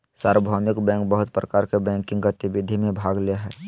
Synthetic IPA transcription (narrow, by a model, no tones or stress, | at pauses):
saːɾwəbʱaːmɪkbɛ̃ːŋk̚bəɦʊt̪̚pɾəkaːɾkebɛ̃ːŋkːɪ̃ŋɡət̪ɪʋɪd̪ʱimẽbʱaːɡleaɦɛː